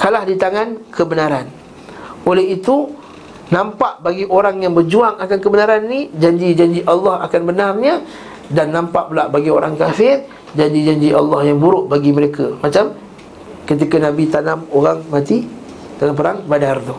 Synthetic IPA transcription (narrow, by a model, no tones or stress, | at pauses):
kalahdit̪aŋankʰəbənaɾan | olɛɦit̪u | nãmpaʔbaɡiʔoɾaŋjaŋbərd͡ʒuaŋakankəbənaɾanːid͡ʒaɲd͡ʒid͡ʒaɲd͡ʒiʔalːɑha̰kanbənarɲə̃ | danːãmpaʔpulaʔbaɡioɾaŋkafɪr | d͡ʒaɲd͡ʒid͡ʒaɲd͡ʒiʔɑ̰lːɑhjaŋbuɾʊʔbaɡiməɾekʰəmat͡ʃam | kət̪̬ikənãbit̪anamoɣaŋmãt̪i | t̪anãmpəɾaŋbadart̪u